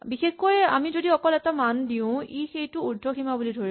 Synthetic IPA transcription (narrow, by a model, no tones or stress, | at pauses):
bixexkoja̰mizodiɔkɔlɛtamandiʊ̃ixejtʊudʱɔximabulidʱoɹi